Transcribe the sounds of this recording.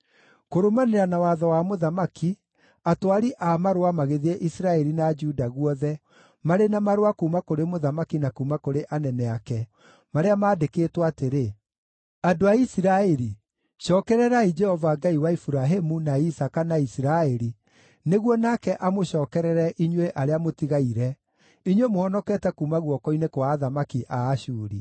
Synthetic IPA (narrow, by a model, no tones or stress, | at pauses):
koɾomaneɾanawaðɔwamoðamaki | atwaɾiʔamaɾowamaɣeðiɛʔisiɾaɛɾinad͡ʒudaɣwɔðɛ | maɾenamaɾwakuːmakoɾemoðamakinakumakoɾeʔanɛnɛakɛ | maɾeamaːdekeːtwaaːteɾe | adoaisiɾaeɾi | ʃɔːkɛɾɛɾaid͡ʒɛhɔvaɡaiwaifuɾaɦemunaisakanaisiɾaeɾi | neɣwɔnakɛʔamoɕɔːkɛɾɛɾɛʔiɲweʔaɾeamotiɣaiɾɛ | iɲwemoɔnɔkɛtɛkuːmaɣwɔkɔinekwaːðamakiʔaːɕuːɾḭ